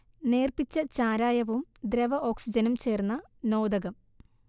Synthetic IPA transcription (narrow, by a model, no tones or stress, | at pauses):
neːrpit͡ɕːɐt͡ɕaːɾaːjɐʋumd̪ɾɐʋɐʔo̞ːksid͡ʑɐnumt͡ɕe̞ːrnːɐ | no̞ːd̪ɐɣɐm